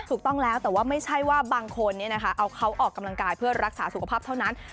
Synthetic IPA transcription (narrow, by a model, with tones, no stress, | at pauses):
t̪ʰuː˨˩t̪ɔ˥˩ŋlɛː˦˥wt̪ɛː˨˩waː˥˩ma˥˩jt͡ɕʰa˥˩jwaː˥˩baː˧ŋkʰo˧nːi˥˩ɐna˦˥kʰa˦˥ʔa˧wkʰa˦˥wʔɔː˨˩kːa˧mla˧ŋkaː˧jpʰɯ˥˩ɐɾa˦˥k̚saː˩˦su˨kʰa˧pʰaː˥˩p̚t̪ʰa˥˩wna˦˥n